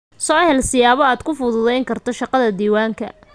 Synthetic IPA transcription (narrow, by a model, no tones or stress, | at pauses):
sɔːhɛlsɪjaːβɔaːd̪̥kʰʊfʊðʊðɛjŋkʰɐrt̪ʰɔʃɑqɑðɐd̪iːwaːŋkʰɐ̰